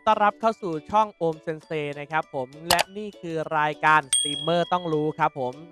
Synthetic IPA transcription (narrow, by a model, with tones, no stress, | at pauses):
t̪ɔ˥˩ɾa˦˥p̚kʰaː˥˩wsuː˨˩t͡ɕʰɔ˥˩ŋʔoː˧mse˧nseː˧na˦˥kʰa˦˥p̚ʰːo˩˦mlɛ˦˥ʔniː˥˩kʰɯː˧ɾaː˧jkaː˧nst̪iː˧mːɤː˥˩t̪ɔ˥˩ŋɾuː˦˥kʰɾa˦˥pʰːo˩˦m